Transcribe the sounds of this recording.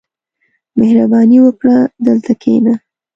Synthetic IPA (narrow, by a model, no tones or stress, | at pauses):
mehɾabɑniwəkɽad̪əlt̪akʰḛna